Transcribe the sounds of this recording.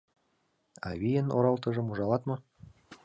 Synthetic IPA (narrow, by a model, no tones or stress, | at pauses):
ɑ̰βijə̆no̰ɾɑlˠt̪ɤ̆ʒɤ̆muʒɑlɑt̪mɤ̆